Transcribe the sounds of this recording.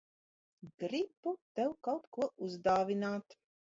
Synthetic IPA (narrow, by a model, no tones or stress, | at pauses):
ɡ̥ɾibut̪ɛwkawt̪kuɔʔuzd̪aːvʲinaːt̪